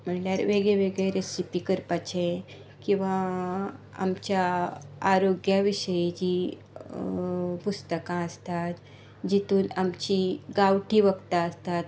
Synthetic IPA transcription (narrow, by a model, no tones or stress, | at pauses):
m̤əɳljaɾʋeɡɭeʋeɡɭeɾesipikəɾpat͡ɕʰẽ | kĩw̃ʋa | a̰mt͡ɕjaː | ɾoɡjaʋiɕəjed͡ʑi | pust̪əkãəst̪at̪ | d͡ʑit̪uːnamt͡ɕiɡawʈiːʋəɡt̪aəst̪at̪